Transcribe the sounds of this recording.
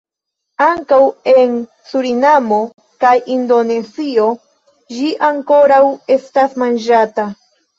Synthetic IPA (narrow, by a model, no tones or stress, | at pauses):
aŋkawe̞n | suɾinamo̞ | kajindo̞ne̞sio̞ | d͡ʒiʔaŋko̞ɾawe̞stasmand͡ʒata